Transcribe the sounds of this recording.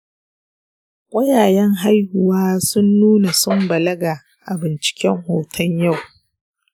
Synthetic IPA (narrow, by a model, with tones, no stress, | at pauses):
kʷʼɐ˦jaː˨jɛ˦ŋɦa˦jhʊ˨waː˦sʊ˦nːuː˦na˨sʊ˦mbɐ˨lɐ˦ɡa˨ | ʔa˨bɪ˨nt͡ʃɪ̥˨kʲɛ˦ŋhoː˨tʰɐ˦ɲja˦˨w